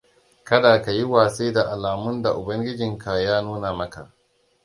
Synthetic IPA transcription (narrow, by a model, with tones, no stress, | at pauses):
kɐ˦daː˨ka˨ji˦waː˨seː˦da˨ʔa˨laː˨mʊ˦nda˨ʔʊ˨bɐ˦ŋɡʲɪ˦d͡ʒɪ˨ŋkʰa˨jaː˦nuː˦na˨mɐ˦ka̰˨ʔ